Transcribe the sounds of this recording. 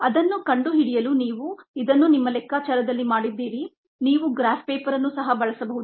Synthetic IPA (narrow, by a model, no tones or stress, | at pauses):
ɐd̪ɐnːukɐɳɖuɦiɽijɐluniːʋuid̪ɐnːunimːɐlɛkːaːt͡ʃɐɾɐd̪ɐlːimaːɽid̪ːiːɾi | niːʋuɡɾaːfpeːpɐɾɐnːusɐɦɐbɐɭɐsɐbɐɦud̪